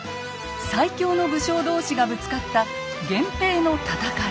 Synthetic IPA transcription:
saikʲo̞ːno̞bɯ̟ɕo̞ːd̪o̞ːɕiɡabɯ̟t͡sɨ̥kat̪ːa | ɡẽ̞mpe̞ːno̞t̪at̪aka

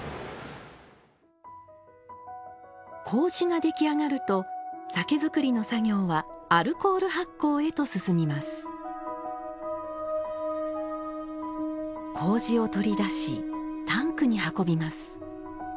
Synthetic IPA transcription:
kʰo̞ːʑiŋad̪e̞kʲiaŋaɾɯ̟t̪o̞sake̞zɨkɯ̟ɾʲino̞saɡʲo̞ːβaːɾɯ̟ko̞ːɾɯ̟ɦakːo̞ːe̞t̪o̞sɨsɨmʲimasɨ̥ | kʰo̞ːʑio̞t̪o̞ɾʲid̪aɕḭt̪ãŋkɯ̟ɲ̟ihako̞bʲimasɨ̥

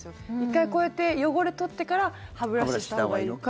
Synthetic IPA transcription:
ikːaiko̞e̞t̪e̞jo̞ɡo̞ɾet̪o̞t̪ːe̞kaɾahaβɯ̟ɾaɕaoɡainoka

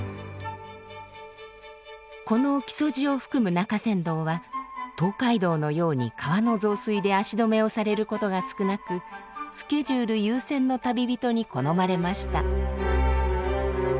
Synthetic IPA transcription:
ko̞no̞kʲi̥so̞ʑio̞ɸɯ̥kɯ̟mɯ̟nakasẽ̞nd̪o̞ːβat̪o̞ːkaid̪o̞ːno̞jo̞ːɲ̟ḭkʰaβano̞zo̞ːsɨid̪e̞aɕid̪o̞me̞o̞saɾe̞ɾɯ̟ko̞t̪o̞ɡasɨ̥kɯ̟nakɯ̟sɨ̥ke̞ʑɨːɾɯ̟jɯːsẽ̞nːo̞t̪abʲibʲit̪o̞ɲ̟iko̞no̞maɾe̞maɕi̥t̪a

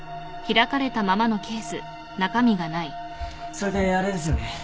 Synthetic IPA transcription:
çiɾakaɾe̞t̪amamano̞kʲe̞ːsɨ | nakamʲiɡanai | so̞ɾed̪e̞aɾe̞d̪e̞sɨjone

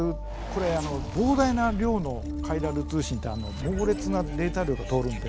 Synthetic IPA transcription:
ɯ | ko̞ɾe̞ano̞bo̞ːd̪ainaɾʲo̞ːno̞ | kʰaiɾaɾɯ̟t͡sɨːɕĩnt̪ːeano̞mo̞ːɾe̞t͡sɨnad̪e̞ːt̪aɾʲjo̞ːɡat̪o̞ːɾɯ̟̃nd̪e

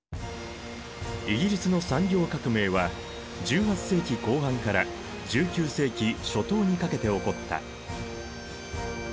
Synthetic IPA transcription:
iɡʲiɾʲisɨno̞sãŋɡʲo̞ːkakɯ̟me̞ːβa | d͡ʑɨːɦat͡sse̞ːkʲiko̞ːɦãŋkaɾa | d͡ʑɨːkʲɨːse̞ːkʲiɕo̞t̪o̞ːɲ̟ikake̞t̪e̞o̞ko̞t̪ːa̰

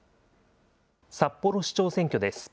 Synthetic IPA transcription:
sapːo̞ɾo̞ɕi̥t͡ɕo̞ːsẽ̞ŋkʲod̪e̞sɨ̥

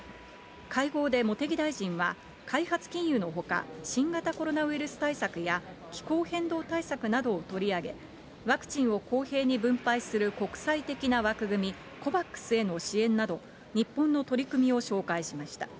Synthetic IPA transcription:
kaiɡo̞ːd̪e̞mo̞t̪e̞ɡʲid̪aiʑĩɰ̃βa | kaiɦat͡sɨ̥kʲĩɰ̃jɯno̞ɦo̞ka̰ɕĩŋɡat̪ako̞ɾo̞naβ̟iɾɯ̟sɨ̥t̪aisakɯ̟ja | kʲi̥koːhẽ̞nd̪o̞ːt̪aisakɯ̟nad̪o̞ːt̪o̞ɾʲiaɡe̞̰ | βakɯ̟̥t͡ɕĩɰ̃o̞ko̞ːhe̞ːɲ̟ibɯ̟̃mpaisɨɾɯ̟ko̞kɯ̟̥sait̪e̞kʲinaβakɯ̟ɡɯ̟mʲi | ko̞bakːɯ̥sɨe̞no̞ɕiẽ̞nːad̪o̞ | ɲ̟ipːõ̞nːo̞t̪o̞ɾʲikɯ̟mʲio̞ɕo̞ːkaiɕimaɕi̥t̪a

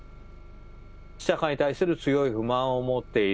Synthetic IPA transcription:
i̥ɕakaɲ̟it̪aisɨɾɯ̟t͡sɨjo̞iɸɯ̟mãɰ̃o̞mo̞t̪ːe̞i

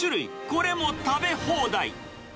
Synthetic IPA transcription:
uɾɯikoɾemõt̪abehõːd̪aḭ

